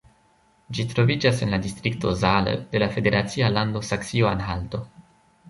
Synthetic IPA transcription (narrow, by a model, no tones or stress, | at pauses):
d͡ʒitɾo̞vid͡ʒasenladistɾik̚to̞zalə̰d̥e̞lafe̞de̞ɾʔat͡sialando̞saksioanɦaldo̞